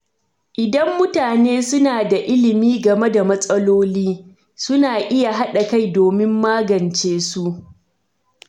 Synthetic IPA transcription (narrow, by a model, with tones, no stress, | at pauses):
ʔɪ˨dɐ˦mːʊ˦taː˨neː˦sʊ˦naː˨da˨ʔɪ˦lɪ˨miː˦ɡɐ˨me˦da˨mɐ˦sʼɐ˦loː˦liː˦ | sʊ˦naː˨ʔɪ˦ja˨ɦa˦ɗa˨ka˦˨jdoː˨mɪ˦mːaː˦ɡɐ˨nt͡ʃeː˦su˦ʔ